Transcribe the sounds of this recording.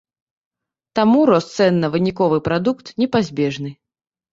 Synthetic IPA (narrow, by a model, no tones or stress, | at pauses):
t̪amuɾɔst̪sɛnːɐvɨnʲikɔvɨpɾad̪ukt̪nʲɛpazʲbʲɛʐnɨ